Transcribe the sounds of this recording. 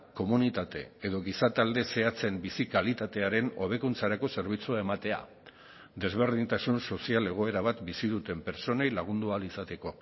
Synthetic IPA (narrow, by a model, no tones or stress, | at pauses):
ko̞munit̪at̪e̞̰eðo̞ɣisat̪ald̪e̞se̞at͡se̞mbisikalit̪at̪e̞aɾe̞no̞β̞e̞kunt͡saɾako̞se̞ɾβ̞it͡suae̞mat̪e̞a̰ | d̪e̞zβ̞e̞ɾðint̪asunso̞siale̞ɣ̞o̞e̞ɾaβ̞at̪bisiðut̪e̞mpe̞ɾt͡so̞ne̞jlaɣ̞und̪ualisat̪e̞ko̞